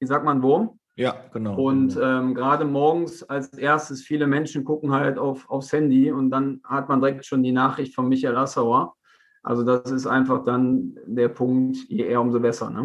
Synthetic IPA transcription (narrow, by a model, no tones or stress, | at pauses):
ɪçz̥aːk̚manvoːm | jaɡ̥ənaʊʊntʔɛːmɡəʁaːdəmɔɐɡŋ̩salsʔeːɐstəsfiːləmɛnʃn̩ɡʊkŋ̩haltaʊfaʊfshɛndiʊntd̥anhatmandəʁɛktʃoːndiːnaːχʁ̥ɪçtfɔnmɪçaɪlʔasaʊɐ | ʔa̰lzodasɪstʔa̰ɪnfaχd̥andeːɐpʰʊŋktjḛːʔeːɐʊmzoːbɛsɐ̰nə